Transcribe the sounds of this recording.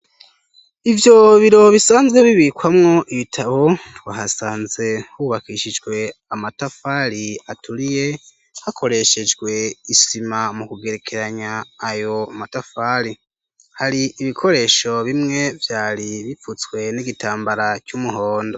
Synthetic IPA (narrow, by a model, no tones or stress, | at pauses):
ivjo̞βiɾo̞βisaːnzɡwe̞βiβikwamŋo̞ʔiβitʰaβo̞twaːhasaːnze̞huβakiʃid͡ʒɡwe̞amatafaːɾiatʰuɾije̞ | hakʰo̞ɾe̞ʃe̞d͡ʒɡwe̞isimamukuɡe̞ɾe̞kʰeɾaɲaːjo̞matafaːɾi | haɾiiβikʰo̞ɾe̞ʃo̞βimŋe̞vjaːɾiβifut͡sɡwe̞niɡitʰaːmbaɾacuːmuɦo̞ːndo̞